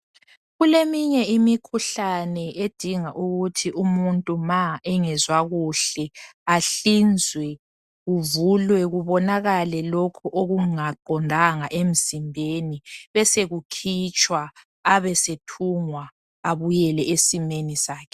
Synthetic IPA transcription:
ɣulemiɲɛimikʰuɬanɛed̥ʱiŋaʔuɣutʰiʔumuntʼumaɛŋɛzwaɣuɬɛaɬind͡zʱwɛ | ɣuvulwɛɣuβɔnaɣalɛlokʰuʔoɣuŋaǃʱɔndʱaŋaʔem̩zimbʱeniβɛseɣukʰit͡ʃʼwa | aβɛsetʰuŋwa | aβujɛlɛʔesimenisaːkʰɛ̥

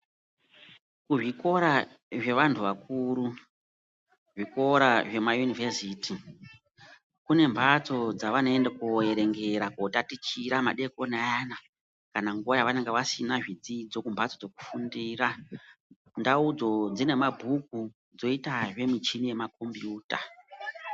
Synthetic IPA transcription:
kuʐiko̞ɾa | ʐe̞ʋantʰuʋakuːɾu | ʐiko̞ɾaʐe̞majunivesiːti | kune̞mbʱat͡so̞d͡zaʋanoendakueɾe̞ŋɡe̞ɾakotatit͡ʃiɾama̰ɗe̞ko̞najana | kanaŋɡuʋajaʋane̞ŋɡeʋasinaʐid͡zid͡zo̞kumbʱat͡sod͡zo̞ku̥fundiːra | ndaud͡zo̞d͡zine̞mabʱuk̚u | d͡zo̞itaʐe̞mit͡ʃinije̞mako̞mbjuːta

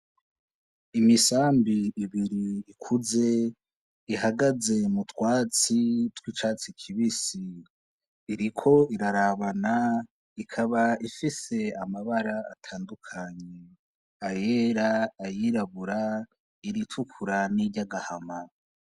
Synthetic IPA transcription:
imisaːmbiːβiɾiːkʰuze̞ | iɦaɡaze̞mutwaːt͡sitwit͡ʃaːt͡sikʰiβisiː | ɾikʰo̞iɾaɾaβana | ikʰaβaifise̞amaβaɾa̰ːtʰaːndukʰaɲe | ajeɾaːjiɾaβuɾa | iɾitʰukʰuɾaniɟaɡahama

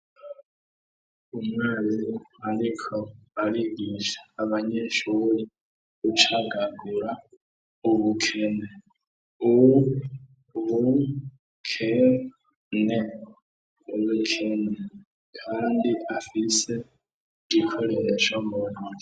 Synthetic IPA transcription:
umwaːliaɾikʰoaɾiɡiʃḁːβaɲeʃuɾi | ut͡ʃaɡaɡuɾa | uβukʰe̞ne̞ | uwu | βu | kʰe | ne | uβukʰene | kʰaːndiafise̞ | ɟikʰoɾeɾet͡ʃomono

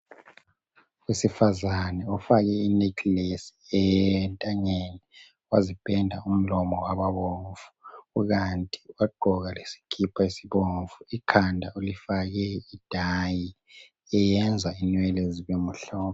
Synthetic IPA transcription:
wesifazanɛɔfaɣɛinikʰilesi̥ɛntʼaɲenɛ | wazib̥ʱɛndʱa̰um̩lɔmɔwaβaβoɱvu̥uɣantʼiwaɡ͡ǃʱɔɣalesi̥kʰipʰaisiβoɱvuikʰandʱaulifaɣɛid̥ʱaji | ɛjɛnd͡zʱainwɛleziβemuɬɔːβɔ

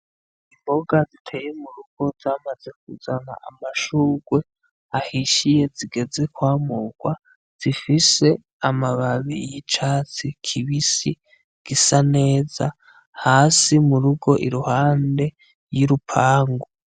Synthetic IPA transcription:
imboɡazitʰe̞ːjemuɾuɡ̥o̞zaːmaze̞k̚uzana̰ʔa̰maʃuːɡwe̞ | ahiʃije̞ziɡe̞ze̞kwaːmuɡ̥wa | z̥ifise̞ | amaβaβḭjit͡ʃaːt͡sikʰiβisi | ɡ̥isane̞ːza | haːsimuɾuɡo̞ʔiɾuhaːnde̞ | jiɾupʰaːŋɡo

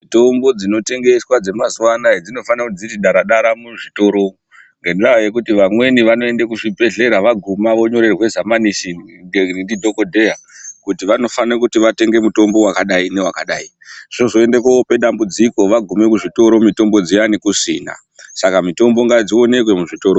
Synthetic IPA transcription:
mito̞mbo̞d͡zino̞te̞ŋɡe̞swad͡ze̞mazuwanaed͡zino̞fanakud͡zitiɗaɾaɗaɾamuʐito̞ɾo̞ | ŋɡenraajek̬utiʋamwe̞niʋano̞e̞ndekuʐibʱe̞ɮe̞ɾaʋaɡʱumaʋo̞ɲo̞ɾerwe̞zamanisieindidʱo̞ko̞dʱe̞akutiʋano̞fanekutiʋate̞ŋɡe̞muto̞mbo̞wakaɗaine̞wakaɗai | ʐ̥oʐoe̞ndekaope̞ɗambud͡ziko̞ʋaɡʱume̞kuʐito̞ɾo̞mito̞mbo̞d͡zijanikusḭːna̰ | sakamito̞mbo̞ŋɡad͡zio̞ne̞kwemuʐito̞ɾo

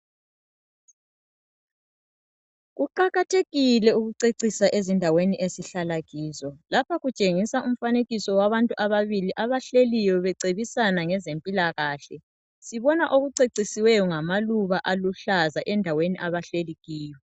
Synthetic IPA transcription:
ɣuǃaɣatʰeɣilɛuɣuǀeǀisaʔezindʱaweniʔesiɬalaɣiːzɔlapʰaɣut͡ʃʼeŋisaʔum̩faneɣisɔwaβantʼuʔaβaβiliʔaβaɬelijɔβɛǀeβisanaŋɛzempʼilaɣaːɬɛ | siβɔnaʔoɣuǀeǀisiwɛjɔŋamaluβaʔaluɬazaʔɛndʱaweniʔaβaɬeliɣiːjɔ

